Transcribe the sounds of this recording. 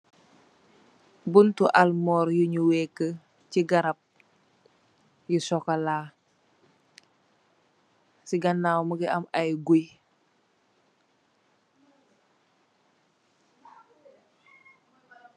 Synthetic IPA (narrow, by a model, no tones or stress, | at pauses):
buntuʔɐlmɔːɾjuɲuwɛːkːə | ciɡɐɾɐp̚ | jusɔkɐlaː | siɡɐnːawməɡiʔɐmɐjɡuj